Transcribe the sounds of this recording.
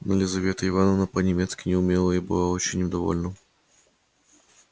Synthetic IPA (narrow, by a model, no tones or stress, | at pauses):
nəlʲɪzɐvʲe̞t̪əɪvanənəpənʲɪmʲet̪skʲɪnʲɪʊmʲelˠəibɨ̰lˠaot͡ɕɪnʲʊd̪ɐvo̞̰lʲnə